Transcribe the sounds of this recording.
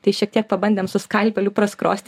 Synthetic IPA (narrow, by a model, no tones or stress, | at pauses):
t̪ɐɪʃʲiɛk̚t̪iɛk̚pɐbɐnʲdʲeːmsʊskɐlʲpʲɛlʲuːpɾɐskɾoːsʲt̪ʲ